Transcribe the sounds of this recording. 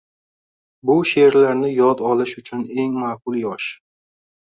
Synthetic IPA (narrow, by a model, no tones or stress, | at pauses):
bʊʃe̞ɾlaɾnɪjɒd̪ɒlɪʃʊt͡ʃʰʊne̞ŋmaːqʊlˠjɒʃ